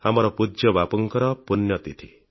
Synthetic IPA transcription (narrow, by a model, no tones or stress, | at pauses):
hamɔɾɔpud͡ʒjɔbapɔŋkɔɾɔpunjɔt̪it̪ʰi